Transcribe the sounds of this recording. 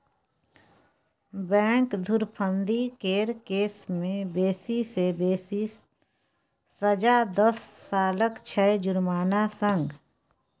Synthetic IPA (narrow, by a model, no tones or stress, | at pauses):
bɛ̃ːŋkd̪ʱʊɾpʰə̃nd̪ikeːɾkeːsmẽbeːsisebeːsi | səd͡ʒad̪əsːaːləkt͡ʃʰɛd͡ʒʊɾmaːnasə̃ŋɡ